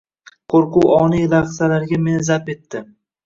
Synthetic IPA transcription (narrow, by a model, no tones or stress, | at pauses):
qʰoɾqʊwɒnijlaʁsalaɾɡʲame̞nɪzape̞t̪ʰːɪ